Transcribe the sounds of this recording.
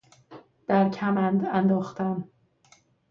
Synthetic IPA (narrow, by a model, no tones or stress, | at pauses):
d̪̥æɾcʰæmænd̪ænd̪ɒːxt̪æm